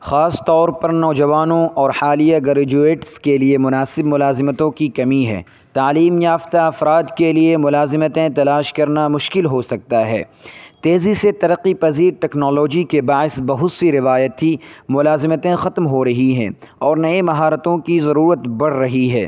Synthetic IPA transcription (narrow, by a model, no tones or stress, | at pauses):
xaːst̪ɔːɾpɐɾnɔːd͡ʒɐʋaːnõʔɔːɾhaːlijaɡɐɾed͡ʒueːʈskeliemʊnaːsɪbmʊlaːzɪmət̪õkikɐmiɦɛ̰ː | t̪aːliːmjaːft̪aɐfɾaːd̪keliemʊlaːzɪmət̪ẽt̪ɐlaːʃkɐɾnamʊʃkɪlɦosɐk̚t̪aɦɛ̰ːt̪eːziset̪ɐɾəqːipɐziːɾʈɛːknɔːloːd͡ʒikebaːɪsbɐɦʊt̪siɾɪʋaːjət̪ɦimʊlaːzɪmət̪ẽxɐt̪mɦoɾɐɦiɦɛ̰̃ːɔːɾnɐẽmɐɦaːɾət̪õkizɐɾuːɾət̪bɐɽ̤ɾɐɦiɦɛ̰ː